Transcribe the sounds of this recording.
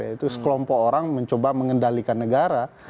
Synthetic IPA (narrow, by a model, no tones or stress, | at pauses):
ait̪usə̥kəlɔmpɔkoɾaŋməɲt͡ʃobaməŋəndalikanːəɡaɾa